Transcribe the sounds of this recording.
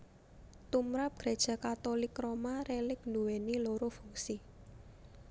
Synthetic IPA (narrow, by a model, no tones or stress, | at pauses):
t̪umɾap̚ɡ̥ɾed̥ʒ̥a̤kat̪olɪkromaɾelɪk̚nduweniloɾofuŋsi